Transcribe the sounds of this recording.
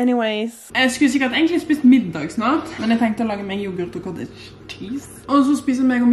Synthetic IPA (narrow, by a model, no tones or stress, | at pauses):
ɛniweɪz̥ | ɛskʉls̬ɪkːəɾt̪ɛɡnŋklɪspɪst̪mɪd̪ːɑːɡsnɑːt̪mɛnjɛt̪ʰɛ̃ŋkt̪əɔlɑːɡəmɛɡjubʊɾt̪ɔkʰɔd̪ɪ̰ʃ | tʰiːs | ɔsɔspiːs̬əmɛɡɔm